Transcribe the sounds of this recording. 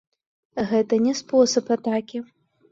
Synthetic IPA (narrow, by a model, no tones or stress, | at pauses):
ɣɛt̪ɐnʲɛspɔsɐpat̪akʲi